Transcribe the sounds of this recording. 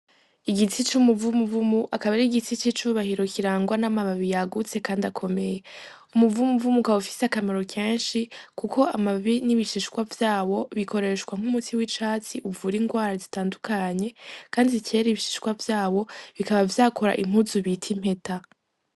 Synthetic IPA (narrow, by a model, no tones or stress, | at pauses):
iɡit͡sit͡ʃumuvumuvumuʔakaβaɾiɡit͡sit͡ʃit͡ʃuβahiɾo̞kiɾaːŋɡwanamaβaβijaɡut͡se̞kaːndiakʰo̞me̞je̞ | umuvumuvumukaufi̥seakamaɾo̞keːnʃikukʰo̞amaβiniβiʃiʃkwavjaːwo̞βikʰo̞ɾe̞ʃkwaŋ̥umutʰiwit͡ʃaːt͡siʔuvuɾiːŋɡwaːɾazitaːndukʰaɲe̞kaːndicʰe̞ːɾiβiʃi̥ʃkwavjaːβo̞βikaβavjaːkʰo̞ɾa̰ʔim̥huzuβitʰim̥he̞ta